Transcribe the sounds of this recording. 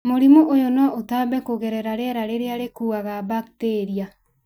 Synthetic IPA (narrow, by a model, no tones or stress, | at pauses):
moɾimoʔojonɔotabɛkoɣɛɾɛɾaɾeɛɾaɾeɾeaɾekuːɣaɣabakteːɾia